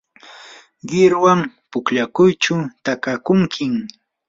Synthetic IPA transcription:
ɢɪɾwampʊkʎakʊjt͡ʃʊt̪akakʊŋkʰɪŋ

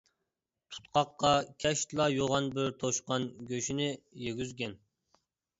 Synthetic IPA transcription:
t̪ʰu̥t̪̚qɑqːɑkʲʰɛʃt̪lˠɑjoʁɑnbɪɾt̪ʰoʃqɑnɡʲøʃinɪjeɡʲyzɡʲɛn

